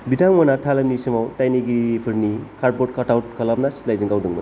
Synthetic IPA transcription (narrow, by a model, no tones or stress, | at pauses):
bidaŋmanatʰalamnisimawtajniɡipʰɯɾnikʰaɾ̚bot̚kʰatawt̚kʰalap̚nasi̥tlajzɯŋɡawdɯŋbɯ